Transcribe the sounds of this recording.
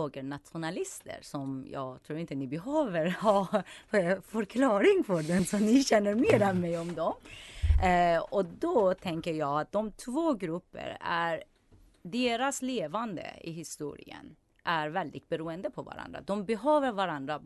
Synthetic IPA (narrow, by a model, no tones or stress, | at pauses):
oːɡənat̪ɧʊnalɪst̪ʰə̰ɾsɔmjɑ̰ːɡt̪ʰɾuːɾɪnt̪ənɪbɛɦøːvəɾhɑː | fœɾkʰlɑːɾɪŋfœɖɛnsɔmnɪɕɛnːəɾmeːɾɛmɛjɔmd̪ɔm | ɔd̪ɔt̪ʰɛŋkəɾjɑːɡat̪̚d̪̥ɔmt̪ʰvoːɡɾɵpːə̰ɾæɾ | ɖeːɾasleːvand̪ə̰ɪ̰ɦɪst̪ṵːɾɪ̰ə̰n | ʔæɾvɛld̪ɪt̪̚bɛɾuːənd̪əpʰɔva̰ɾa̰nd̪ɾa̰d̪ɔmbɛɦøːvəɾvaɾand̪ɾa